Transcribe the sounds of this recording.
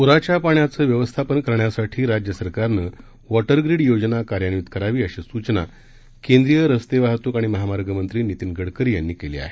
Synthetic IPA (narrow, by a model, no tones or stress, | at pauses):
puɾat͡ɕapaɳjat͡səːʋjəʋəst̪ʰapənkəɾɳjasaʈʰiːɾad͡ʑjəsəɾkaɾnəː | ʋɔʈəɾɡɾiɽjod͡ʑnakaɾjanut̪kəɾaʋiːəɕisut͡ɕna̰ | kend̪ɾijəɾəst̪eʋaɦt̪uːkaɽ̃iməɦamaɾɡəmənt̪ɾiːnit̪inɡəɽkəɾijanːiːkelḭa̰ɦe